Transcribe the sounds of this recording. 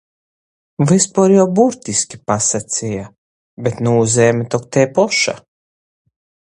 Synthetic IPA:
vɨspɔɾjawbuɾt̪ʲiskʲi̥pasat̪sʲija | bet̪nuuzeːmʲet̪ɔk̚t̪ɛːpɔʃa̰

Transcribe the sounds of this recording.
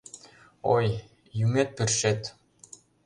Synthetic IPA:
o̰j | jymet̪̚pɘrʃet̪

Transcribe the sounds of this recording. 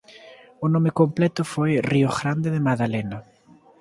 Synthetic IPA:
ʊnõmekomplɛt̪ʊfojrioɣɾand̪eðemaðalena

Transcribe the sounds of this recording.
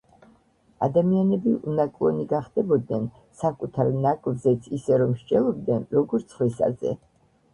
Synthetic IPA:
ad̪amianɛbiʔunakʼlˠɔniɡaχd̪ɛbɔd̪nɛn | sakʼut̪ʰaɾnakʼvzɛt̪sʰisɛɾɔmʃd͡ʒɛlˠɔb̚d̪nɛnɾɔɡɔɾt̪sʰχwisa̰zɛ̰

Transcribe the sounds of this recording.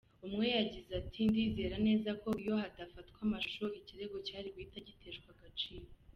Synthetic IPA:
umŋe̞jaɟizatʰindiːze̞ːɾane̞ːzako̞jo̞hadafatkwamaʃu̥ʃoiciɾe̞ɡo̞caːɾiɡwitaɟite̞ːʃkwaɡat͡ʃiːɾo

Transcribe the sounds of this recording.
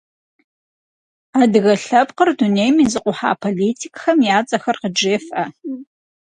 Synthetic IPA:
adɨɣɐɬɐpqərdunejmiːzɨqʷʼʊħa̰ːpʰoliːtʰikʼxɐmjaːt͡sʼɐxɐrqəd͡ʒeːfʔɐ

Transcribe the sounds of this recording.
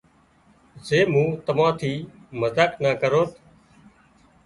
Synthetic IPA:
zeːmũːt̪əʋãːt̪ʰiːməzaːknaːkəɾoːt̪ʰ

